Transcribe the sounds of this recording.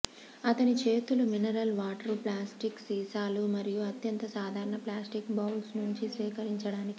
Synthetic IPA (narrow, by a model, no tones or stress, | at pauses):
ɐt̪ɐnit͡ʃe̞ːt̪uluminɐɾɐlʋaːʈɐɾuplaːsʈiksiːsaːlumɐɾijuɐt̪jɐnt̪ɐsaːd̪ʱaːɾɐɳɐplaːsʈikbɐwlsnuɲt͡ʃisʋiːkɐɾiɲt͡ʃɐɽaːniki